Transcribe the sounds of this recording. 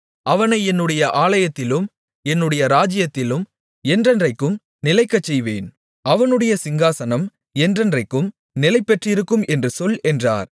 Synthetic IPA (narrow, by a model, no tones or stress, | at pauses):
ʔɐʋɐnɐɪɛnːɯɽɐjɐʔaːlɐjɐt̪ːɪlɯm | ɛnːɯɽɐjɐɾaːd͡ʒɪjɐt̪ːɪlɯm | ɛndrɐndrɐɪkːɯm | nɪlɐɪkːɐt͡ʃːɛjʋeːn | ʔɐʋɐnɯɽɐjɐsɪŋɡaːsɐnɐm | ɛndrɐndrɐɪkːɯm | nɪlɐɪpːɛʈrɪɾɯkːɯmɛndrɯsɔlɛndra̰ːɾ